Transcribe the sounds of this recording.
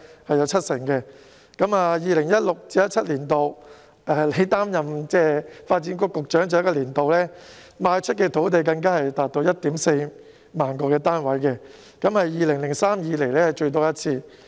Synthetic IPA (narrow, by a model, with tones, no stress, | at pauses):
hɐ˨jɐ˨˧wt͡sʰɐ˥t̚sɪ˨˩ŋkɛː˧ | kɐ˨˥maː˧jiː˨˧lɪ˨˩ŋjɐ˥t̚lʊ˨k̚t͡siː˨˥jɐ˥t̚t͡sʰɐ˥t̚liː˨˩nt̪o˨˧w | ʔɛː˨le˨˥jt̪aː˥mjɐ˨mt͡sɛː˥˩faː˧t̚t͡siː˨˥nkʊ˧kːʊ˨k̚t͡ʃœː˨˥ŋt͡sɐ˨jkːɔː˧liː˨˩nt̪o˨wlɛː˥ | maː˧jt͡ʃʰɵ˥t̚kɛː˧t̪ʰo˨˥wt̪̬e˨jkɐ˧ŋkaː˥hɐ˨jt̪aː˨t̚t̪o˧wjɐ˥t̚t̪iː˨˥mse˧j | maː˨˩nkɔː˧kɛː˧t̪aː˥nwɐ˨˥jkɛ˧ | kɐ˨˥mhɐ˨jːiː˨lɪ˨˩ŋlɪ˨˩ŋsaː˥mjiː˨˧le˨˩jlɛː˥hjt͡ʃɵ˧ɥt̪̬ɔː˥jɐ˥t̚t͡sʰiː˧